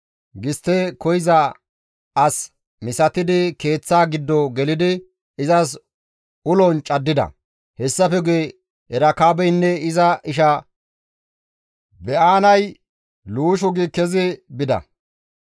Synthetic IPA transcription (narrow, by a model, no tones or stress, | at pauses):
ɡɪst̪ːekɔjɪzɐ | ɐs | mɪsɐt̪ɪd̪ɪke̞ːt͡sːaːɡɪd̪ːɔɡɛlɪd̪ɪ | ɪzɐs | ʊlɔnt͡ʃʼɐd̪ːɪd̪ɐ̰ | hɛsːɐfɛɡeː | ʔɛɾɐkaːbɛjnːɛɪzɐʔɪʃɐ | bɛʔaːnɐj | luːʃ̬ɔɡɪkːɛzɪbɪd̪ɐ̰